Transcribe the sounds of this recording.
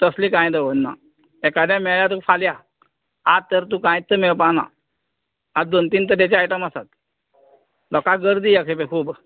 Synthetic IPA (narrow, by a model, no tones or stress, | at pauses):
t̪əslikãjd̪əʋənːa̰ | ɛkad̪jãmɛɭɭjat̪̬ufalja | at̪ːəɾt̪ũkãjt̪ːəmeɭpana̰ | ad̪ont̪iːnt̪əɾat͡ɕaːʈəmasat̪̚ | lɔkaɡəɾd̪iːjakʰepekʰuːb